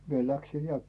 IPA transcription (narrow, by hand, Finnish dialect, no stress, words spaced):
mie læksin̞ jɑ